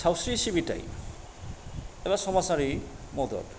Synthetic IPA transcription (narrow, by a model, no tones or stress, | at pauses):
sawsɹisibita̰j | ebasɔmasaɹi | mɔd̪ɔ̰d